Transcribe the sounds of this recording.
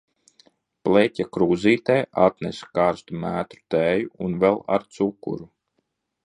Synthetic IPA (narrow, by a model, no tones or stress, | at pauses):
plecʲakɾuːziːt̪ɛːʔat̪nɛskaːɾst̪umæːt̪ɾu̥t̪æːjuunvɛlˠa̰ɾt̪sukṵɾu